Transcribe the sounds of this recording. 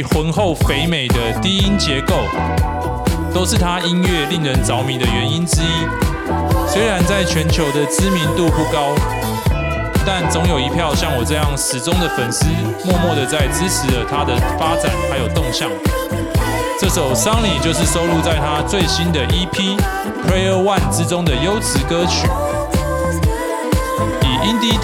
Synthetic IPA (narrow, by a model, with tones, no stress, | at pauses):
xwə˧˥nxo˥˨˩ʊfe˧˥ɪme˨˩ɪd̪ə˦t̪i˥i˦˥nt͡ɕjɛ˧˥ko˥˩ʊ | t̪o˥ʊʂɻ̩˥˨t̪ʰa˦ʔi˦˥nɥɛ˥˨li˥˩ŋɻə˧˦nt͡sɑ˧˦ʊmi˨˦nd̪ə˨ɥɛ˨˧˦ni˦nʈ͡ʂɻ̩˥i˥ | swe˥ɪɻa˧˦nt͡sa˥˩ɪt͡ɕʰɥɛ˧˥nt͡ɕʰjo˧˥ʊd̪ə˨t͡sɹ̩˥mi˧˦nt̪u˥˧pu˥˩kɑ˦ʊ | t̪a˥˩nt͡so˧˦˥ŋjo˨˩ʊi˧˦˥pʰjɑ˥˧ʊɕjɑ˥˩ŋwɔ˨˩t͡sɤ˥˧jɑ˥˩ŋʂɻ̩˧˥t͡sʊ˥ŋd̪ə˨fə˨˩ns̩˥ | mwɔ˥˧mwɔ˥˩d̪ə˨˩t͡sa˥˩ɪt͡s̩˥t͡s̩ʰ˨˥lə˨t̪ʰa˦d̪ə˨fa˦˥t͡sa̰˨˦nxa˧˥ɪjo˨˩ʊt̪ʊ˥˧ŋɕjɑ˥˩ŋ | ʈ͡ʂɤ˥˩ʂo˨˩ʊsɑ˦ŋli˨˩t͡ɕjo˥˧ʊʂ̬ɻ̩˥˩so˥ʊlu˥˧t͡sa˥˩ɪt̪ʰa˦t͡swe˥˩ɪɕi˦nd̪ə˨ʔi˥pʰi˥ | pʰɹe˥ɪə˥˧wa˥˨nt͡sɻ̩˥t͡sʊ˥ŋd̪ə˨jo˥ʊt͡sʰɻ̩˧˥kɤ˥t͡ɕʰy˨˩ | i˨˩ʔi˦˥nt̪i˥